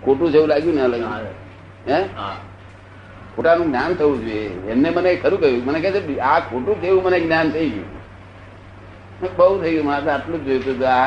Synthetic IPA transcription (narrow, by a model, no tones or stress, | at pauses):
kʰoʈũd͡ʒeʋũlaɡjũneləɡ | ɦɛ̃ | kʰoʈanũɡnant̪ʰəʋũd͡ʒujeemnemənekʰəɾũkəɾjũmənekət͡ʃʰeiakʰoʈũd͡ʒeʋũməneɡnjant̪ʰəiɡjṵ̃ | ebəɦut̪ʰəiɡjũməat̪aʈlũd͡ʒd͡ʒojut̪ut̪oa